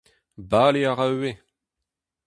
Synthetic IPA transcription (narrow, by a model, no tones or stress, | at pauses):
baːleaʁawe